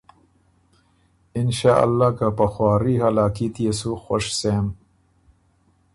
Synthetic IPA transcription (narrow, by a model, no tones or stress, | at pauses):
ɪnʃaːʔa̰lːaːkapɐxwaːɾiɦalaːkit̪ijesuxoʃseːm